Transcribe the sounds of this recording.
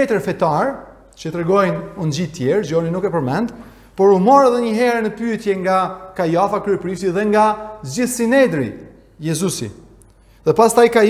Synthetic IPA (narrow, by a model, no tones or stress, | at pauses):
ɛt̪əɾfɛt̪aɾ | t͡ʃət̪ɾɛɡɔjnund͡ʑit̪jɛɾzɔninukɛpəɾmɛnd̪ | pɔɾumɔɾɛðɛɲəɦɛɾɛnəpyɛt̪jɛŋɡakajafakɾyɛpɾift̪iðɛŋɡazd͡ʒiθsinɛd̪ɾḭ | jɛzusḭ | ðɛpast̪ajka